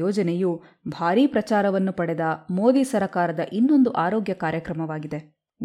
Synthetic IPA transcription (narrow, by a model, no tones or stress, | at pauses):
ɔːd͡ʒɐneju | bʱaːɾiːpɾɐt͡ʃaːɾɐʋɐnːupɐɽɛd̪ɐmoːd̪iːsɐɾɐkaːɾɐd̪ɐʔinːo̞nd̪uʔaːɾoːɡjɐkaːɾjɐkɾɐmɐʋaːɡid̪e | ɡ